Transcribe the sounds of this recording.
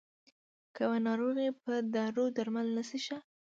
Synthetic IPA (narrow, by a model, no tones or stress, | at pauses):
kawanɑɾoɣepəd̪ɑɾod̪aɾmalnəsiʃa